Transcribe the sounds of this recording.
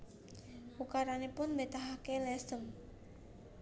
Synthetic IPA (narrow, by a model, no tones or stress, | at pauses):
pukaɾanepʊnmbet̪aɦakelɛsəm